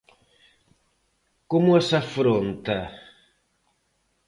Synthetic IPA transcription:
komʊɛsafɾont̪a

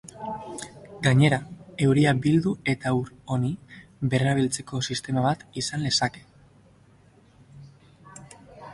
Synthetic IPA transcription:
ɡaɲe̞ɾae̞wɾiabild̪ue̞t̪auɾonibe̞raβ̞ilt͡se̞ko̞sist̪e̞maβat̪isanle̞sake̞̥

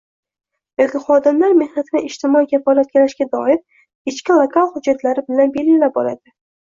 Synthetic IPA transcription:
jɒkʲɪχɒd̪ɪmlaɾme̞hnat̪ʰɪnɪɪʃt̪ʰɪmɒikʲʰafɒlat̪̚kʲalaʃɡʲad̪ɒ̰ɪɾ | ɪt͡ʃkʲɪlˠokʰalˠhʊd͡ʒːat̪ʰlaɾɪbɪlanbe̞lʲɪlap̚ɒla̰d̪̥ɪ

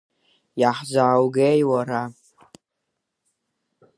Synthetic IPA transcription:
jaħzaːwɡejwaɾa

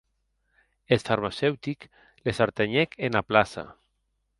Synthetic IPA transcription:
elfaɾmasɛwt̪ik | lesaɾt̪eɲɛkenaplasa̰

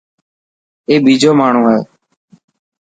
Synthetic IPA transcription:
eːbiːd͡ʒoːmaːɳ̤ũːɦɛː

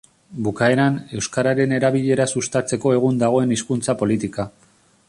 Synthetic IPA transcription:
bukae̞ɾane̞wskaɾaɾe̞ne̞ɾaβ̞iʎe̞ɾasust̪at͡se̞ko̞e̞ɣ̞und̪aɣ̞o̞e̞niskunt͡sapo̞lit̪ika

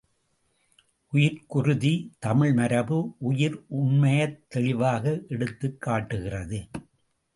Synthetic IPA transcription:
ʔʊjɪɾkʊrʊðit̪ɐmɪɭmɐɾɐbɯʔʊjɪɾʔʊɳmɐjɐt̪ːɛɭɪʋaːɣɐʔɛɽɯt̪ːɯkːaːʈːɯɣɪrɐðɯ

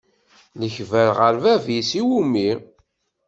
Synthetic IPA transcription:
ləçvæɾʁəɾvævisiwumi

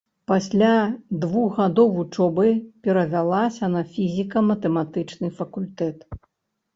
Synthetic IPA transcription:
pasʲlʲad̪vuɣɣad̪ɔwvut͡ʂɔbɨpʲɛɾɐvʲalˠasʲɐnɐfʲizʲikɐmɐt̪ɛmat̪ɨt͡ʂnɨfɐkulʲt̪ɛt̪

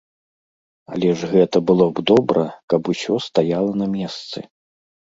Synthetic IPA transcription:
a̰lʲɛʐɣɛt̪ɐbɨlˠɔbd̪ɔbɾɐkɐpusʲɔst̪ajalˠɐnɐmʲɛst̪sɨ

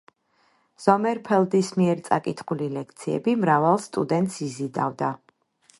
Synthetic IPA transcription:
z̥ɔmɛɾpʰɛlˠd̪ismiɛɾt̪sʼa̰kʼit̪ʰχulilɛkʰt̪sʰiɛ̰bimɾavalˠst̪ʼud̪ɛnt̪ʼsizid̪a̰vd̪a

